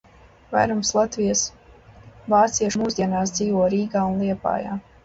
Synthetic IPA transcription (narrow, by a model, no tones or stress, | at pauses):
va̰jɾumslˠat̪vʲijas | vaːt̪siɛʃmuzd̪iɛnaːsd̪ziːvɔːɾiːɡaːunlˠiɛpa̰ːja̰ː